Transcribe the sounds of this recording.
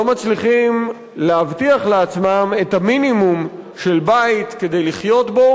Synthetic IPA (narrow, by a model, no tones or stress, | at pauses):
omat͡sliχim | leavtiaχleat͡smame̞taminimumʃe̞lbait̪ke̞d̪e̞jliχjo̞t̪bo̞